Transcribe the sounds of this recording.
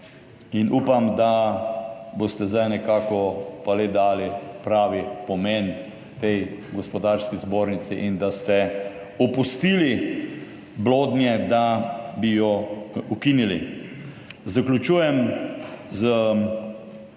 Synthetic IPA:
inʔuːpamd̪a | bost̪ɛzd̪ajnɛkaːkɔpaled̪aːlipɾaːʋipɔmɛn | t̪ɛjɡɔspɔd̪aɾskizboːɾnit̪sɛʔind̪ast̪ɛ | ɔpust̪iːli | bloːd̪njɛd̪abijɔukinili | zaklʲut͡ʃuːjɛm | zə

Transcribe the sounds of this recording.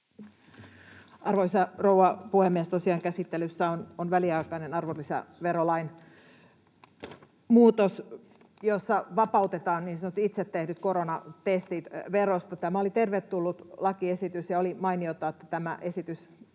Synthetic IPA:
ʔɑrʋolisɑrouɑpuhemːiest̪osiɑːŋkæsit̪ːelysːæononʋæliɑikɑinenɑrʋolːisæ̰ʋeɾolɑin | muːt̪os | josːɑʋɑpɑut̪et̪ɑːnniːnsɑnot̪ːit̪set̪ːehdyt̪koɾonɑt̪est̪it̪ʋerost̪ɑt̪æmæolit̪erʋet̪t̪ulːut̪lɑkiesit̪ysjɑolimɑiniot̪ːˑɑet̪ːæ̥t̪æmæʔe̞sit̪ys

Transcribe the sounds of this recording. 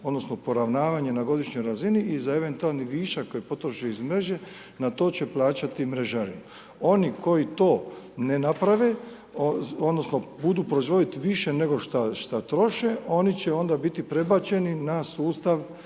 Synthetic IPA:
o̞d̪no̞sno̞po̞ɾaʋnaːʋaɲe̞naɡo̞d̪iʃɲo̞jɾaziniːzae̞ʋe̞nt̪ualˠniʋiːʃako̞jepo̞t̪ɾoʃeizmɾe̞ʒe̞ | nat̪o̞ːt͡ɕe̞plˠaːt͡ɕat̪imɾe̞ʒaɾḭma | o̞nikʰo̞jit̪o̞ːne̞napɾaʋe | oo̞d̪no̞sno̞bud̪uːpɾoizʋo̞d̪it̪iʋiʃe̞ne̞ɡo̞ʃt̪aʃt̪at̪ɾo̞ʃe̞o̞nit͡ɕeo̞nd̪abit̪ipɾe̞bat͡ɕe̞ninasuːst̪aʋ

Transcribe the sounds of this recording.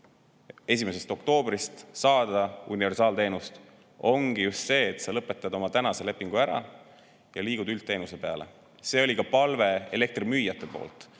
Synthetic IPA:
e̞sʲime̞s̬e̞st̪o̞kt̪o̞ːb̥rist̪sɑːd̪ɑunive̞rsɑːlt̪e̞ːnust̪ | o̞ŋɡ̥ijust̪se̞ːt̪sɑlɤpːˑe̞t̪ːˑɑd̪̥o̞mɑt̪ænɑse̞le̞pːˑiŋɡ̥uæɾɑ̰ | jɑliːɡ̥ud̪ylt̪ːe̞ːnuse̞pe̞ɑle̞̰ | se̞ːo̞lʲikɑpɑlve̞ele̞k̚t̪rimyːjːɑt̪ːˑe̞po̞̰ːlt̪ˑ

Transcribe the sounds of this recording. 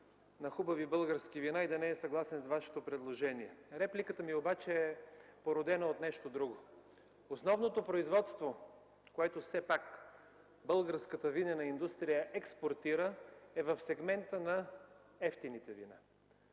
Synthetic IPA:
nɐxubɐvibɤlˠɡəɾskivinaid̪ɐnɛɛsɐɡlˠasɛnsvaʃɛ̥t̪opɾɛd̪lˠoʒɛniɛɾɛplikət̪əmiobat͡ʃɛɛpoɾod̪ɛnɐot̪nɛʃt̪od̪ɾuɡo | osnɔvnot̪opɾoizvɔt̪st̪vo | koɛt̪osɛpak | bɤlˠɡəɾskət̪əvinənɐind̪ust̪ɾijəʔɛkspoɾt̪iɾəɛvɐfsɛɡmɛnt̪ənɐɛft̪init̪ɛvina̰

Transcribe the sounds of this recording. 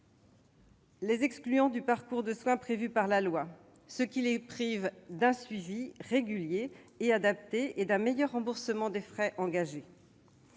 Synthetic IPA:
lezɛksklyɑ̃d̪ypaʁkuʁd̪əswɛ̃pχevypaʁlalwa | səkʲilepχivd̪ɛ̃sɥiviʁeɡʲyljeːad̪ap̚t̪eːd̪ɛ̃mejœʁːɑ̃buʁsəmɑ̃d̪efχɛʔɑ̃ɡaʒe

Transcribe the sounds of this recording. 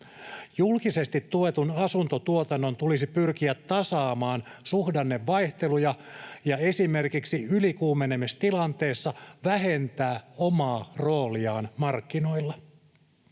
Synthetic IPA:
julkisest̪it̪ːuet̪unɑsunt̪ot̪uot̪ɑnːont̪ulisipyrk̟iæt̪ːɑsɑːmɑːnsuhdɑnːeʋːɑjht̪e̞lujɑjɑe̞sime̞rkiksiylikuːmenemest̪ilɑnt̪e̞ːsːɑʋæɦe̞nt̪æːomɑːro̞ːliɑːnmɑrkːino̞ilːɑ

